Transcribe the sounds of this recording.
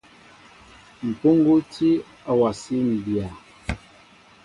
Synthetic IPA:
m̩˨po˦ŋ˦ɡo˦tʰi˦ | a˨wa˨si˦n̩˨bi˨a˨

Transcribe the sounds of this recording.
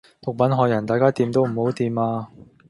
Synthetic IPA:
p̪ʊ˨k̚pɐ˨˥nɦɔː˨˧jɐ˨˩nt̪aː˨˧jkaː˥t̪iː˧mt̪o˥wm̩˨˩ho˨˥wt̪iː˨˧maː˧

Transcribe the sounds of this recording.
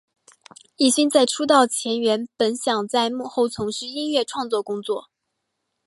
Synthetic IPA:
i˥˩ɕi˥nt͡sa˥˩ɪʈ͡ʂʰu˥t̪̬ɑ˥˩ʊt͡ɕʰjɛ˧˥nɥɛ˧˥npə˧˥nɕjɑ˨˩ŋt͡sa˥˧ɪmu˥˧xo˥˩ʊt͡sʰʊ˧˥ŋʂɻ̩˥˧i˥nɥɛ˥˧ʈ͡ʂʰwɑ˥˧ŋt͡swɔ˥˩kʊ˥ŋt͡swɔ˥˩

